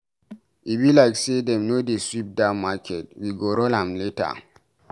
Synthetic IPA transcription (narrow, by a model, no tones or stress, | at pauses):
ʔibilaɪksedɛ̃mnodeswip̚damakʰɛt̚wiɡoɾɔlãmleta̰